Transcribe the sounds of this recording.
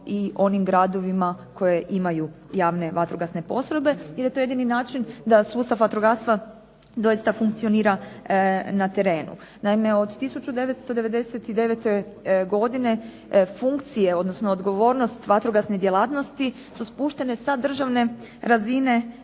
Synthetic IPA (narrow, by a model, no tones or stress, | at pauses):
io̞nimɡɾad̪o̞ʋimakʰo̞jeʔimajujaːʋne̞ʋat̪ɾoɡasne̞po̞sɾobe̞iɾjet̪o̞je̞d̪ininaːt͡ʃind̪asuːst̪afʋat̪ɾoɡast̪ʋa | d̪o̞jist̪afuŋk̚t̪sio̞niːɾa | nat̪e̞ɾe̞ːnṵ | naime̞o̞d̪t̪isut͡ʃud̪e̞ʋe̞t̪st̪od̪e̞ʋe̞d̪e̞set̪id̪e̞ʋet̪e̞ | ɡo̞d̪ine̞ | fuŋkt̪sijeo̞d̪nosnoːd̪ɡo̞ʋo̞ːɾno̞st̪ʋat̪ɾoɡasned̪jelaːt̪no̞st̪i | suspuːʃt̪e̞ne̞sad̪r̩ʒaʋne̞ | ɾazine̞